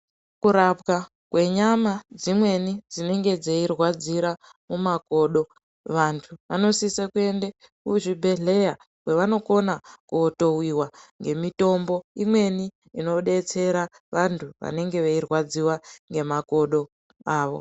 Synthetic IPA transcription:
kuɾapka | kwe̞ɲamad͡zimwe̞nid͡zine̞ŋɡe̞d͡zeirwad͡ziɾa | mumako̞ɗo̞ | ʋantʰuʋano̞sisekue̞nde | kuʐibʱe̞ɮe̞ja | kwe̞ʋano̞ko̞nakuoto̞wiwaŋɡe̞mito̞mbo̞imwe̞ni | ino̞ɗe̞t͡se̞ɾa | ʋantʰuʋa̰ne̞ŋɡe̞ʋeirwad͡ziwaŋɡe̞mako̞ɗo̞ | aːʋo̞̰

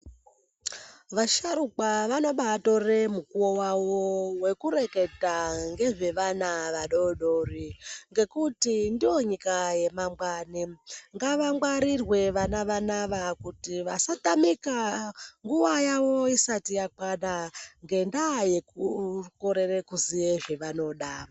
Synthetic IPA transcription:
ʋaʃaɾuk͡paʋano̞ɓato̞remukuowawowe̞kuɾe̞ke̞taŋɡe̞ʐe̞ʋanaʋaɗo̞ɗoriŋɡe̞kutindio̞ɲikaje̞mamɡaniŋɡaʋamwaɾirwe̞ʋanaʋanaʋakutiʋasatamikaŋɡuʋajawo̞isatijak͡paɗaŋɡe̞ndaje̞kuko̞ɾe̞rekuzijeʐeʋano̞ɗa

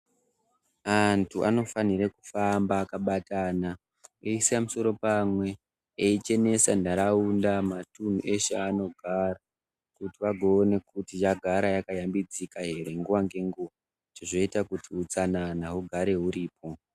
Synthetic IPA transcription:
antʰuʔa̰no̞faniɾeku̥fambaːkaɓataːna | eisamuso̞ɾo̞pamwe̞ | eit͡ʃe̞ne̞sandaɾaundamatun̤uʔe̞ʃeano̞ɡʱara | kutiʋaɡʱoːne̞kutijaɡʱaɾajakajambid͡zikaɦe̞ɾe̞ŋɡuʋaŋɡe̞ŋɡuʋa | tiʐo̞itakutiut͡sananaɦuɡʱaɾe̞ɦuɾiːp̚o̞

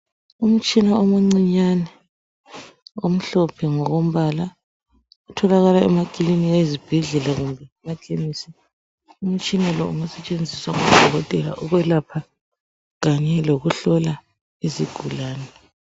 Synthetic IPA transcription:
um̩t͡ʃʼinaɔmoŋ͡ǀiɲanɛ | om̩ɬɔpʰɛŋɔɣom̩βala | utʰɔlaɣalaɛmaɡ̥ʱiliniaizib̥ʱɛɮɛlaɣumbʱɛmakʼemisi | um̩t͡ʃʼinalɔ̰uŋusɛt͡ʃʼend͡zʱiswaŋud̥ʱɔɣɔtʼɛla̰ʔɔɣwɛlapʰa | ɣaɲɛloɣuɬɔla | iziɡ̥ʱulaːnɛ

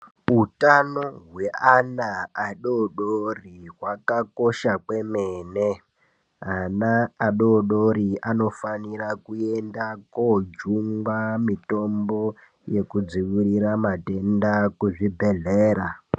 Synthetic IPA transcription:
utanoɦwe̞anaaɗoɗoriɦwakako̞ʃakwe̞meːne | anaːɗoɗoɾiano̞faniɾakue̞ndakod͡ʒuŋɡwamito̞mbo̞ | je̞kud͡ziʋiɾiɾamate̞ndakuʐibʱe̞ɮeːɾa

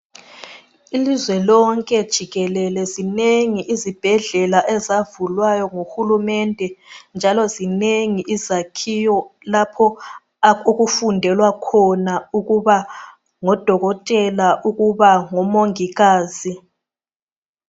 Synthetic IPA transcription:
ilizwɛlɔŋkʼɛd̥ʒ̥ʱiɣɛlɛlɛzineŋiʔizib̥ʱɛɮɛlaʔɛzavulwajɔŋoxulumɛndʱɛnd͡ʒʱalɔzineŋiʔizakʰijɔlapʰɔ | oɣufundʱɛlwakʰɔnauɣuβa | ŋɔd̥ʱɔɣɔtʼɛlaʔuɣuβaŋɔmoŋiɣaːzi

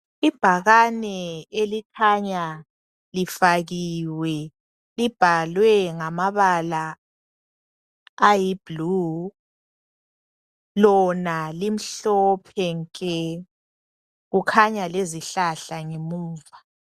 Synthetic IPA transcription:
ib̥ʱaɣanɛelikʰaɲa | lifaɣiwɛ | lib̥ʱalwɛŋamaβala | ajib̥ʱlu | lɔnalim̩ɬɔpʰɛŋkʼɛ | ɣukʰaɲaleziɬaɬaŋemuːva

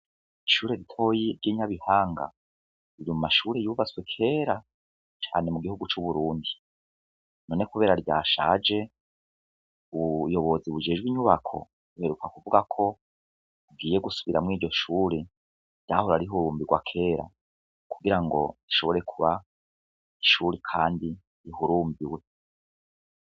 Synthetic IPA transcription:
iʃuːɾe̞ɾitʰo̞jiɾɟiːɲaβihaːŋɡa̰ | iɾimumaʃuːɾe̞juβat͡swe̞kʰe̞ːɾa | t͡ʃa̰ːne̞muɡihuɡut͡ʃuβuɾuːndi | no̞ːne̞kuβe̞ːɾaɾɟaːʃa̰ːd͡ʒe̞ | uβujo̞βo̞ziβud͡ʒe̞ːd͡ʒɡwiɲuβakʰo̞̰ | uhe̞ɾukakuvuɡakʰo̞ | uɡiːje̞ɡusu̥βiɾamŋiːɾɟo̞ʃuːɾe | ɾɟaːhoɾaɾiɦuɾuːmbiɡwa̰kʰe̞ːɾa̰ | kuɡiɾaŋɡo̞̰ɾiʃo̞βo̞ɾe̞kʰuβa | iʃuːɾekʰaːndi | iɦuɾuːmbiwe̞

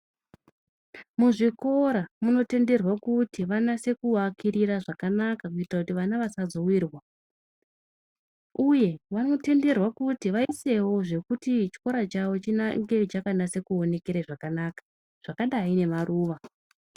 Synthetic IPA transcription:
muʐiko̞ɾamuno̞te̞nde̞rwakutiʋanase̞kuwakiɾiraʐakanakak̬uitrakutiʋanaʋasad͡zo̞wirwa | uje̞ʋano̞te̞nde̞rwakutiʋaise̞wo̞ʐe̞kutit͡ʃi̥ko̞ɾat͡ʃawo̞t͡ʃinaŋɡe̞t͡ʃakanase̞kuo̞ne̞keɾaʐakanaːkḁ | ʐ̥akaɗaine̞marʔuːʋa

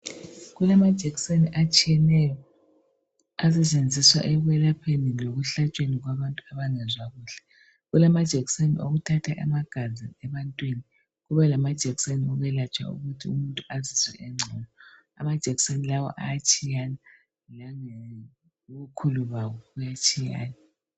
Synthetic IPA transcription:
ɣulamad̥ʒ̥ʱɛkseniʔat͡ʃʼijɛnɛjɔ | asɛt͡ʃʼend͡zʱiswa̰ʔɛɣwɛlapʰeniloɣuɬat͡ʃʼweniɣwaβantʼuaβaŋɛzwaɣuːɬɛ̥ | ɣulamad̥ʒ̥ʱɛɣsenḭʔoɣutʰatʰaʔɛ̰maɡ̥ʱaziɛβantʼwini | ɣuβɛlamad̥ʒ̥ʱɛɣiseniɔɣɛlat͡ʃʼwa̰ṵɣutʰiumuntʼuaziswɛ̰ʔɛŋ͡ǀʱɔnɔ | a̰mad̥ʒ̥ʱɛɣi̥senilawɔ̰ʔa̰jat͡ʃʼijana | laŋɛ | uβukʰuluβawɔɣujat͡ʃʼija̰ːna

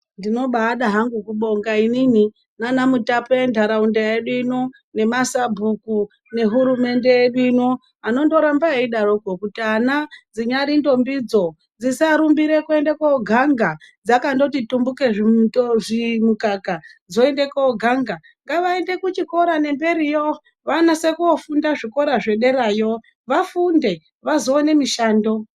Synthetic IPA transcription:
ndino̞ɓaɗaɦaŋɡukuɓo̞ŋɡainini | nanamutapoendʱaɾaundajeɗwino | ne̞masabʱuku | ne̞ɦuɾume̞nde̞jeɗino | ano̞ndo̞ɾambaeiɗarokokutianad͡ziɲaɾindo̞mbid͡zo̞ | d͡zisaɾumbiɾe̞kue̞ndekaoɡʱaŋɡad͡zakando̞titumbuke̞ʐitoʐimukakad͡zo̞e̞nde̞kooɡʱaŋɡa | ŋɡaʋaende̞kut͡ʃiko̞ɾane̞mbe̞ɾijo | ʋanase̞kuofundaʐiko̞ɾaʐe̞ɗe̞ɾajo̞ | ʋafunde̞ | ʋazo̞ːne̞miʃaːndo̞

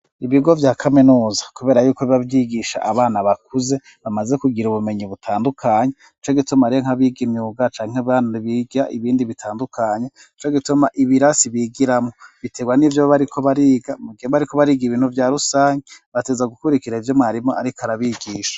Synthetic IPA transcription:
iβiɡo̞vjaːkʰaminuːzḁkuβe̞ːɾajuːkoiβavjiɡiʃa̰ʔaβaːnaβak̚uze̞ | βamaze̞kuɡiɾuβume̞ɲiβutʰaːndukʰaːɲe | it͡ʃo̞ɡitumaɾijoŋ̥aβiɡimɲuːɡat͡ʃaːŋ̥eβaniβiːɡiɾaʔiβiːndiβitʰaːndukʰaːɲe | it͡ʃo̞ɡitumaʔiβiɾasiβiːɡiɾamŋo̞βite̞ɡwanivjoββaɾikʰo̞βaɾiːɡamuɡieaɾiko̞βaɾiːɡiβiːnhuvjaːɾusaːɲiβateːzaɡukuɾikiɾaivjomŋaɾimoaɾikoaɾaβiɡiːʃḁ

